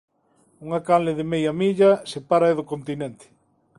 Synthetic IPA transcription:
uŋakanlɪðɪmejɐmiʎɐsepaɾɐeðokont̪inent̪ɪ̥

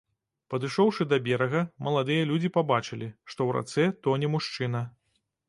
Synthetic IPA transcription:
pɐd̪ɨʂɔwʂɨd̪ɐbʲɛɾɐɣɐmɐlˠad̪ɨjɐlʲud͡zʲipabat͡ʂɨlʲiʂt̪ɔwɾa̰t̪sɛt̪ɔnʲɛmuʂt͡ʂɨnɐ

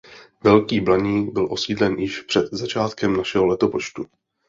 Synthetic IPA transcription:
vɛlkiːblaɲiːɡbɪlʔo̞siːdlɛnjɪʃpr̥ɛd̪zat͡ʃaːt̪kɛmnaʃɛɦo̞lɛt̪o̞po̞t͡ʃt̪u

